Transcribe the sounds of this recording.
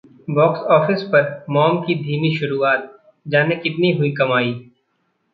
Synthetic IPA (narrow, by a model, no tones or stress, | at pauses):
bɔːksɔːfɪspɐɾmɔːmkid̪ʱiːmiʃʊɾuːaːt̪̚ | d͡ʒaːnekɪt̪niɦʊikɐmaːiː